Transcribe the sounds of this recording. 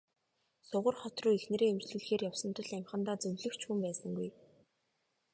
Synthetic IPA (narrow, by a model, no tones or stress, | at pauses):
sʊʁə̆rχɔt̪rʊːexnĕɾeːemt͡ɕɮɘ̆ɮxeːrjawsə̆nt̪ə̆ɮæmʲχə̆nt̪aːt͡sɵwɮɘ̆kt͡ɕʰxuːmpæːsə̆ŋɡuj